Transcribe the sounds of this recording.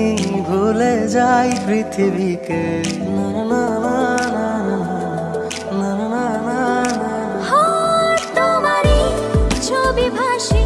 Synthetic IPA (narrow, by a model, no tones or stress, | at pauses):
bʱuled͡ʒajbɾit̪ʰibʱikenananananana | nananana | hot̪omaɾi | t͡ɕʰobibʱaʃi